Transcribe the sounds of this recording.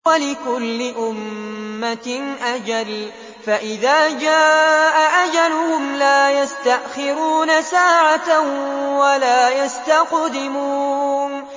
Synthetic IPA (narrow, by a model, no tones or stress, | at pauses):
walɪkʊlːɪʔʊmːat̪nʔad͡ʒal | faʔɪðaːd͡ʒaːʔaʔad͡ʒalʊhʊmlaːjast̪aʔxɪɾuːnasaːʕat̪awalaːjast̪aqd̪ɪmuːn